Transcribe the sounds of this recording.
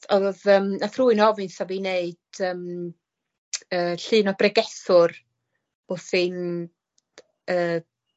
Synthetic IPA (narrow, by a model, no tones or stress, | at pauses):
ɔðəːmaθruːɨnɔvɨnθavineɨd̥əːm | əːɬɨːnɔbrɛɡɛθʊr | ʊθɪn | əː